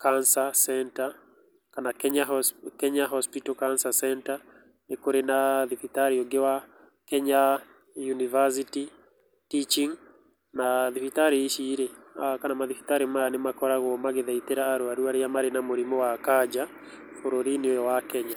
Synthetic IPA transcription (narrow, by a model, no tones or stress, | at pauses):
kansasɛnta | kanakɛɲakɛɲaɦɔspitɔkansasɛnta | nekoɾenaðifitaɾioɡewa | kɛɲa | junivas̬iti | tit͡ʃiŋ | naðifitaɾiʃiːɾeakanamaðifi̥taɾimaanemakɔɾaɣɔmaɣeðait̪eɾaːɾoaɾuaɾeamaɾenamoɾimɔwakad͡ʒa | foɾoɾineojɔwakɛɲa